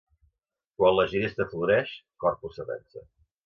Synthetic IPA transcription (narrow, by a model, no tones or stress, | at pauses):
kwanləʒiɾest̪əfluɾɛʃ | kɔrpusəβɛ̰nsə